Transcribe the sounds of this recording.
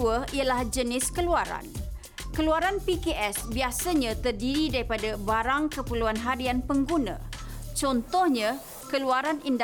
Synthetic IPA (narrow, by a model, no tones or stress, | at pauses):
uəialahd͡ʒənɪskəluaɾa̰n | kəluaɾanpikeʔɛsbiasaɲãt̪ərdiɾidaɾipadabaɾaŋkəpəluanɦaɾianpəŋɡunã̰t͡ʃɔnt̪ɔhɲã | kəluaɾanind